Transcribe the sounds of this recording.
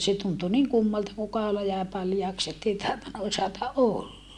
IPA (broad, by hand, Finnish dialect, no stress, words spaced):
se tuntu niŋ kumːɑltɑ kuː kɑolɑ jæeˑ pɑljɑːks etːei tɑhtonːɑ osɑtɑ ʔolːɑ